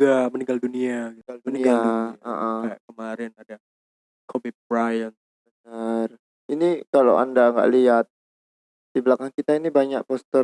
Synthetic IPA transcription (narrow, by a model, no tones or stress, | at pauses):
ɡaməniŋɡalduniaɡialdniɡaaaʔəkəmaɾɛnada | kʰobip̚bɾajən | bənər | inikala̰wa̰ndaŋɡa̰ʔliat̪̚ | d̥ibəlakaŋkit̪ainibaɲak̚pɔst̪ə